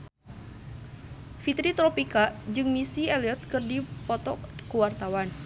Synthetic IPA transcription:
fit̪ɾit̪ɾɔpikad͡ʒɨŋmisiɛliɔt̪̚kɨrdipɔt̪ɔkəwart̪awan

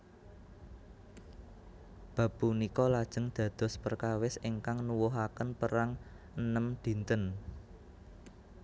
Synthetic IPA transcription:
b̥ä̤b̥unikɔlad̥ʒ̥ə̤ŋd̪̥ä̤d̪̥ɔ̤spərkawɪsɪŋkaŋnuwʊɦakənpəɾaŋ | ʔənəmd̪̥i̤nt̪ən

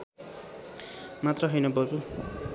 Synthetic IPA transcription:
mat̪rʌɦʌjnʌbʌd͡zu

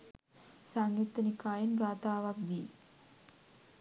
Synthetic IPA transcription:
saŋjut̪ːɐnikaːjinɡaːt̪aːʋak̚d̪iː

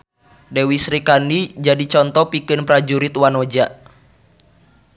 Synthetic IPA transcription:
dɛwisɾikandid͡ʒadit͡ʃɔnt̪ɔpikɨnpɾad͡ʒuɾit̪wanod͡ʒa

